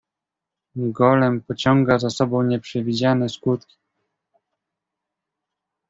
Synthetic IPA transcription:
ɡɔlɛmpɔt͡ɕɔŋɡazasɔbɔ̃w̃ɲɛpʂɛvʲid͡ʑanɛskut̪kʲi̥

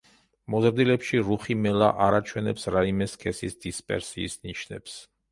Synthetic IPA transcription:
mɔzɾd̪ilɛpʃiɾuχimɛla̰ʔaɾat͡ʃʰwɛnɛpsɾaimɛskʰɛsisd̪ispʼɛ̰ɾsiːsniʃnɛ̰ps

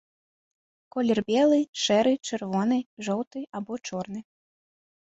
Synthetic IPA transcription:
kɔlʲɛrbʲɛlˠɨʂɛɾɨt͡ʂɨrvɔnɨʐɔwt̪ɨabɔt͡ʂɔrnɨ

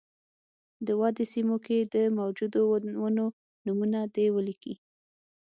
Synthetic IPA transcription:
d̪əwɑd̪esimoked̪əmawd͡ʒud̪owwəno | numunad̪ewəlikḭ

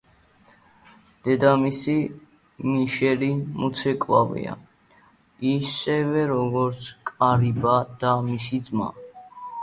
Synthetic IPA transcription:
d̪̥ɛd̪amisi | miʃɛlimut̪sʰɛkʼwa̰vḭa̰ | isɛvɛɾɔɡɔɾt̪sʰkʼaɾibad̪̥amisid̪zma̰

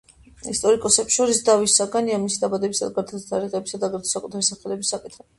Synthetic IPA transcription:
ist̪ʼɔɾikʼɔsɛpsʃɔɾisd̪avisːaɡaniamisid̪abad̪ɛbisad̪aɡaɾt̪ʰat̪ʼaɾiʁɛbisad̪aɡaɾt̪ʰɔ̥sakʼut̪ʰaɾisaχɛlɛbisːakʼit̪ʰχɛ

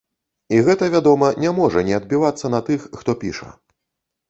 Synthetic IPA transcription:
iɣɛt̪ɐvʲad̪ɔmɐnʲɛmɔʐɐnʲɛɐd̪̚bʲivat̪sːɐnɐt̪ɨxːt̪ɔpʲḭʂɐ̰

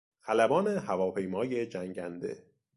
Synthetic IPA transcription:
ælæbɒːnehævɒːpʰe̞jmɒːje̞d͡ʒæŋɟænd̪ḛ

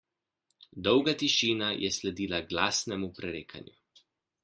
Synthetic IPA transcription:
d̪ɔwɡat̪iʃiːnajʔɛslɛd̪iːlaɡlaːsnɛmupɾɛɾeːkʰa̰nju

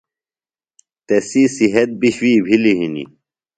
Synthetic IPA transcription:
t̪esisiɦɐt̪̚biɕwiːbʱiliɦinḭ

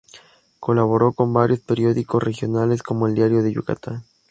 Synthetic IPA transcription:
ko̞laβ̞o̞ɾo̞ko̞mbaɾjo̞speɾjo̞ðikosrexjo̞nale̞sko̞moeld̪jaɾjo̞ðeʝṵka̰t̪a

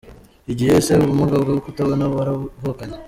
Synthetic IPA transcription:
iɟiheseuβumuɡabɡawukutaβonaβaɾavukaɲe

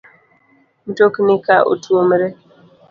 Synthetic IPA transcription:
n̩toknɪkaʔo̰tuomɾe

